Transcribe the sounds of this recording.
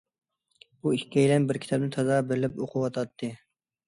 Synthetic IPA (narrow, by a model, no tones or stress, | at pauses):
buikʲkʲːɛjlɛnbɪɾkʲʰi̥t̪ʰɑb̚nɪt̪ʰɑzɑːbɪɾlɪpoqʰʊwɑt̪ʰɑt̪ʰːɨ